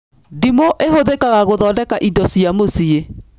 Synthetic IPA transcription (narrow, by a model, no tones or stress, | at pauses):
dimoʔeɦoðekaɣaɣoðɔːdɛkaʔidɔsiamosie